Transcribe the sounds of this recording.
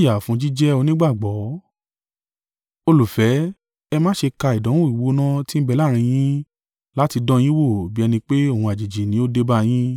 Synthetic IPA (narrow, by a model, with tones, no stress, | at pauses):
ja˨fũ˦d͡ʒi˦d͡ʒɛ˦o˧nĩ˦ɡ͡ba˦˨ɡ͡bɔ˨˦ | o˧lu˨fɛ˨˦ | ɛ˧mãː˦ʃe˧ka˧i˨dɔ̃˨˦w̃ũ˦i˨wo˨˦nã˦ti˦n̩˦bɛ˧la˦˨ɾ̃ĩ˧j̃ĩ˦ | la˦ti˧dɔ̃˦j̃ĩ˦wo˦˨bi˦ɛ˧nĩ˧k͡pe˦o˦˨hũ˧˨a˨d͡ʒi˨d͡ʒi˨nĩ˨˦o˦de˦ba˦j̃ĩ˦